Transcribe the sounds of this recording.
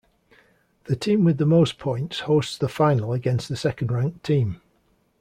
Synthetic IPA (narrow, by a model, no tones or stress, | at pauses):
ðətʰĩːmwɪðəmoʊspʰɔ̃ɪ̃ntshoʊstsðəfaɪnəlˠəɡɛ̃nsðəsɛkə̃ndɹãŋk̚tʰĩːm